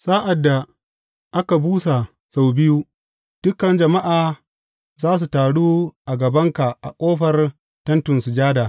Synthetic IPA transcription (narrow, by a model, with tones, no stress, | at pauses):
saː˦ʔa˨dːa˨ | ʔa˦ka˨buː˦sa˨ | sa˨wbɪ˦juː˦ | d̥ʊ˦kːɐ˨nd͡ʒɐ˨ma˦ʔaː˨ | zaː˦s̬u˨taː˨ɽuː˦ʔa˨ɡɐ˨bɐ˦ŋka˨ʔa˨kʷʼoː˦ɸɐ˨r | tɐ˦ntʊ˨nsʊ˨d͡ʒaː˦daː˨